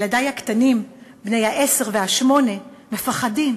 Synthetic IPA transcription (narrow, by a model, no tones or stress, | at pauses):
ladajhakt̪animbnejhaʔese̞ʁvehaʃmo̞ne̞me̞faχadim